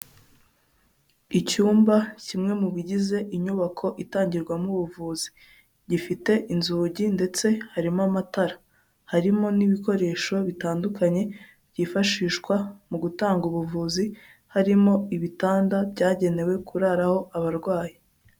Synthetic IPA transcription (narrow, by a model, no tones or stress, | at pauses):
icuːmbacimŋe̞muβiɟize̞ʔiɲuβakʰo̞ʔitaːɲɟiɾɡwamuβuvuːzi̥ | ɟifite̞ʔinzuːɟinde̞t͡se̞haɾimamataɾa | haɾimo̞niβiko̞ɾe̞ːʃo̞βitaːndukaɲe̞ | bɟiːfaʃiːʃkwamuɡutaːŋɡuβuvuːzi | haɾimo̞iβitaːndabɟaːɟe̞ne̞we̞kʰuɾaɾaho̞ʔaβaɾɡwaːji